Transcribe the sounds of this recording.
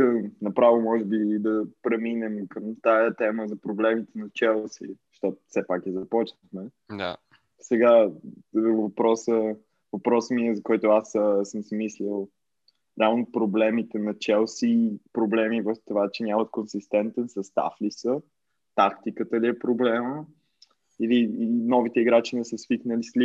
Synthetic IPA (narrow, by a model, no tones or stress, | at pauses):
ənɐpɾavomɔʒɛbid̪ɐpɾɛminɛmkəmt̪ajət̪ɛməzɐpɾoblɛmit̪ɛnɐt͡ʃɛlˠsḭ | ʃt̪ɔt̪fsɛpakɛzɐpɔt͡ʃnəxmɛ | d̪a | sɛɡa | vɐpɾɔsə | vɐpɾɔsmiɛzɐkɔjt̪ʊassəmsmislʲilˠ | ɾʲɛalˠnopɾoblɛmit̪ɛnɐt͡ʃɛlˠsipɾoblɛmivət̪ovat͡ʃɛnʲamət̪̚konsist̪ɛnt̪ɛnsɐst̪a̰flisə | t̪akt̪ikət̪əliɛpɾoblɛmə | ilinɔvit̪ɛiɡɾat͡ʃinɛsəsviknəlisli